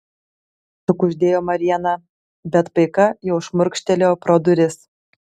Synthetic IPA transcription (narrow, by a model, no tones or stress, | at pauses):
sʊ̆kuʒʲd̪ʲejomɐɾʲijanɑ | bʲæt̪pɤjkɑjɛwʃmʊrkʃʲt̪ʲelʲeprod̪uɾʲesʲ